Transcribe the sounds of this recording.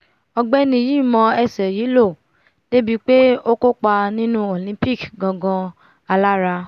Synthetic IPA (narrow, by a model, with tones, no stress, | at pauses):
ɔ˧ɡ͡bɛ˦nĩ˧˨ji˦˨mɔ̃˧ɛ˨sɛ˨ji˨˦lo˦˨ | te˦bi˧k͡pe˦o˦ko˦k͡pa˧nĩ˦nũ˦o˨lĩ˦pi˦˨ɡɡɔ̃˧ɡɔ̃˧ | a˧la˦ɾa˧